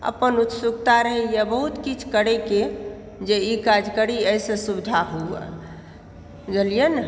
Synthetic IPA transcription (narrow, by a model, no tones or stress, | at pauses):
ə̰pənut̪sukt̪aɾəɦɛjabəɦut̪kit͡ʃʰkəɽeke | d͡ʒeikad͡ʒkəɽiəjsə̃subd͡ʒ̪ʱaɦuə̰ | ɡelijən